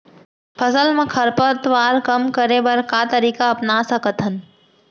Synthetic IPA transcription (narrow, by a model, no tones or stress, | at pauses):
pʰəsəlmẽkʰɐɾpəɾt̪ʋaːɾkəmkəɾẽbɐɾkaːt̪əɾiːkaɐpnaːsəkət̪ɦən